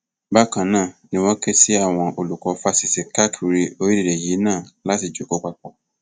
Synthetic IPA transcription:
ba˦kã˧nãː˦˨nĩ˧w̃ɔ̃˦kɛ˦si˦a˦˨w̃ɔ̃˧ʔo˧lu˨kɔ˧fa˧si˨se˨ka˦kʰi˨ɾi˧o˧˦i˦di˦˨ɾe˨ji˨˦nãː˦˨la˦ti˨d͡ʒo˨˦ko˨˦k͡pa˧k͡pɔ˨

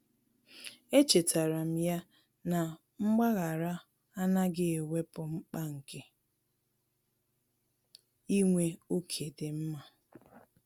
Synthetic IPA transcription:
e˦t͡ʃe˨ta˨ɾa˨m̩˦ja˦ | na˨ | ŋ͡m̩˦ɡ͡ba˦ɣa˨ɾa˦ | a˦na˦ɡɪ˦e˨we˦pʊ˨ŋ͡m̩˦k͡pa˦ŋ̩˨ke˦ | i˦ŋʷe˦o˦kʰe˨de˨m̩˦ma˨

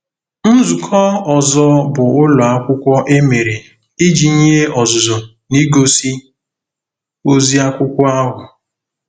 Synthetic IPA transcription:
n̩˦zu˨kʰɔ˦ɔ˨zɔ˦bʊ˨ʊ˦lɔ˨a˦kʷʊ˦kʷɔ˦ʔe˦me˨ɾe˨ | i˦d͡ʒi˨ɲe˦e˦ɔ˨zʊ˨zɔ˨ | ni˦ɡo˦si˦ | o˦zi˦a˦kʷʊ˦kʷɔ˦a˦ɦʊ˨

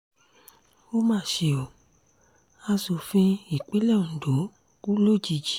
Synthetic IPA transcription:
o˦mãː˦˨ʃe˧o˨ | a˧so˧fĩ˦i˨k͡pe˨˦lɛ˦˨n̩˨do˨˦ | ku˦lo˦˨d͡ʒi˧d͡ʒi̥˨˦

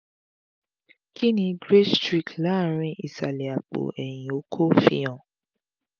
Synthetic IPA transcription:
kʰi˦nĩ˧ɡɾe˦stɾi˨kla˦˨ɾ̃ĩ˧ʔi˨sa˨lɛ˨a˨k͡po̰˨ɛ˨j̃ĩ˨o˨˦kʰo˦fḭ̃˧jã˨

